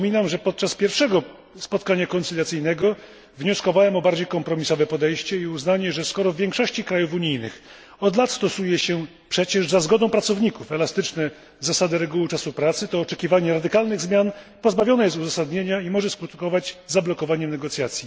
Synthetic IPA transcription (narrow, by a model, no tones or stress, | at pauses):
mʲinamʐɛpɔt̪̚t͡ʂaspʲjɛɾfʂɛɡɔ | spɔt̪̚kaɲakɔnsulʲjat̪sɘjnɛɡɔ | vɲɔskɔvawɛmɔbaɾd͡ʑejkɔmpɾɔmʲisɔvɛpɔd̪ɛjɕt͡ɕɛiuznaɲɛʐɛskɔɾɔvvʲjɛ̃ŋkʂɔɕt͡ɕikɾajufuɲijnɘ̰x | ɔd̪lat̪st̪ɔsujɛɕɛ | pʂɛt͡ɕɛʐzazɡɔd̪ɔ̃w̃pɾat̪sɔvɲikufɛlast̪ɘt͡ʂnɛ | zasad̪ɘɾɛɡuwɘt͡ʂasupɾat̪sɘt̪ɔːt͡ʂɛkʲivaɲɛɾad̪ɘkalnɘɣzmʲjan | pɔzbavʲjɔnɛjɛst̪uzasad̪ɲeɲaimɔʐɛskɾut̪kɔvad͡ʑzablɔkɔvaɲɛmnɛɡɔt̪sʲjat̪sʲji